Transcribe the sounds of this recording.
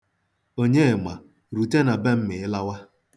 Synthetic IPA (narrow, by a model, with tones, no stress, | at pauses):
o˦ɲe˦˨ma˨ | ɾu˨te˦na˨be˦m̩˦mɪ˨ɪ˦la˦wa˦